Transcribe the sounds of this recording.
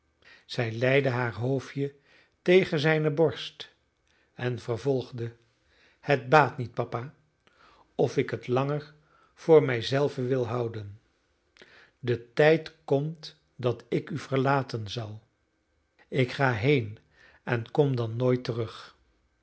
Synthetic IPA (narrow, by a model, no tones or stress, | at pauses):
z̥ɛjlɛjdəɦaːɹɦowfjə | tejχənzɛjnəbɔɹst | ɛnvəɹvɔlˠχdə | hət̚baːtnit̚pɑpaː | ɔfɪkətlɑŋəɹ | v̥ʊːɹmɛjzɛlˠvəʋɪlˠɦɑwdən | dətɛjtkɔmt | dɑtɪkyv̥əɹlaːtənzɑlˠ | ɪkχaːɦejn | ɛnkɔmdɑnːojtərɵχ